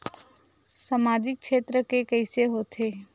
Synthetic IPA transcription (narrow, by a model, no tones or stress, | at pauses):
samaːd͡ʒɪk̚ʃʰeːt̪ɾəkekəɪseɦoːt̪ʰeː